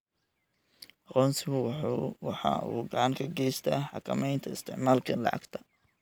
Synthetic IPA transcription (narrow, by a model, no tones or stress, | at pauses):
ɑqɔːnsɪβʊwɑħɑ̰ṵːɡɐʕŋkʰɐɡɛjst̪ʰɐːħɑ̰kʰɐ̰mɛjnt̪ʰɐɪst̪ʰɛʕmaːlkʰɐnlɐ̰ʕɑ̰ɡt̪ʰɐ